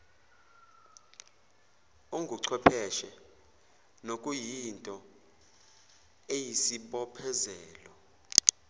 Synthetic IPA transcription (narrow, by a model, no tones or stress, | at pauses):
uŋɡʱuǀʰwɛpʰɛʃɛ | nokʼujintʼɔ | ejisiɓɔpʰɛzɛːlɔ